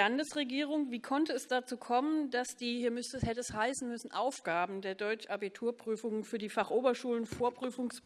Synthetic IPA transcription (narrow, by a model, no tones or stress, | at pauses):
andəsʁeɡiːʁ̞ʊŋviːkʰɔntəɛsd̥at͡suːkʰɔməndasd̥iːhiːɐmʏstəshɛtəɛshaɪsn̩mʏsn̩ʔaʊfɡ̥aːbm̩deːɐdɔʏt͡ʃʔabitʰuːɐpʁ̥yːfʊŋənfyːɐdiːfaχʔoːbɐʃuːlənfoːɐpʁ̥yːfʊŋs